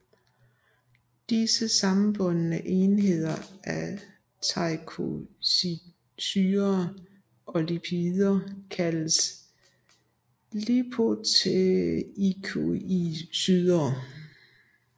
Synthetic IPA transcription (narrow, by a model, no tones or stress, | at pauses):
d̥isəsɑ̈m̩b̥ɔ̽nnəʔe̝nɦe̝ð̞̰ˠɐæ | t͡sʰɑ̈ɪkʰosi | syːɐ | ɒ̽lipʰiðˠɐkʰæləs | lipʰo̝t͡sʰeikʰoisyðˠɐː